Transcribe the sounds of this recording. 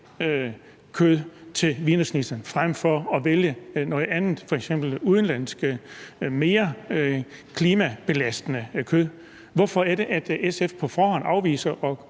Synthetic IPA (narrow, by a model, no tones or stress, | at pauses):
ø | kʰøðˠt͡sʰe̝lʋinəsnisɐnfʁam̰fɒ̽ɒ̽ʋeljənɒ̽ːð̩ˠænð̩ˠfɒ̽eɡ̥sem̰b̥l̩uð̞ˠən̩læn̰sɡ̥əme̝ːɐ | kʰliːmæb̥e̝læsd̥ənəkʰøð̞̰ˠ | ʋɒfɒ̽æɐɾe̝ʔæd̥esefpʰɒ̽fɒːɦɒ̽n̰ɑ̈ʊʋḭːsɐʔɒ̽